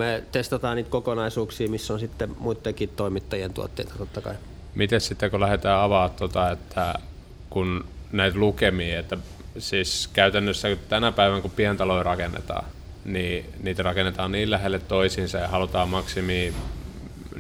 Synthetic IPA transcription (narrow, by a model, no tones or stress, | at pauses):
met̪est̪ɑt̪ɑːnniːt̪kokonɑisuːksiːmisːonsit̪ːemuit̪ːekiːt̪t̪oimit̪ːɑjent̪ṵo̰t̪ːḛit̪ɑ̥t̪ot̪ːɑkɑ̰i | mit̪essit̪ːekulæhet̪æːɑʋɑːt̪t̪ot̪ɑet̪ːæ | kunnæit̪lukemiːet̪ːæ | siːskæyt̪ænːøsːæt̪ænæpæiʋækupiænt̪ɑloirɑkenːḛt̪ɑ̰ː | niːniːt̪rɑkenːet̪ɑːnniːllæhelːet̪toisinsɑjɑhɑlut̪ɑːmmɑksimiː